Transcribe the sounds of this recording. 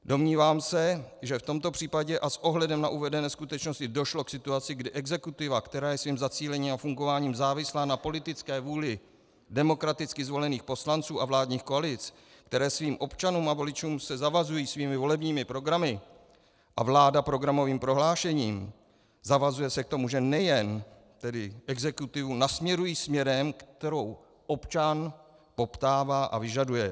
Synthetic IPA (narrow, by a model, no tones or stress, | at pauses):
do̞mɲiːvaːmsɛʒɛft̪o̞mt̪o̞pr̥iːpaɟɛʔasʔo̞ɦlɛdɛmnaʔuvɛdɛnɛːskut̪ɛt͡ʃnoscɪdo̞ʃlo̞ksɪt̪uat͡sɪɡdɪʔɛɡzɛkut̪ɪvakt̪ɛɾaːjɛsviːmzat͡siːlɛɲiːmafuŋɡo̞vaːɲiːmzaːvɪslaːnapo̞lɪt̪ɪt͡skɛːvuːlɪ | dɛmo̞kɾat̪ɪt͡skɪzvo̞lɛniːxpo̞slant͡suːʔavlaːdɲiːxko̞alɪt͡s | kt̪ɛɾɛːsviːmʔo̞pt͡ʃanuːmavo̞lɪt͡ʃuːmsɛzavazujiːsviːmɪvo̞lɛbɲiːmɪpɾo̞ɡɾamɪ | ʔavlaːdapɾo̞ɡɾamo̞viːmpɾo̞ɦlaːʃɛɲiːm | zavazujɛsɛk̚t̪o̞muʒɛnɛjɛn | t̪ɛdɪʔɛɡzɛkut̪ɪvunasmɲɛɾujiːsmɲɛɾɛmkt̪ɛɾo̞w | ʔo̞pt͡ʃan | po̞pt̪aːvaːʔa̰vɪʒadujɛ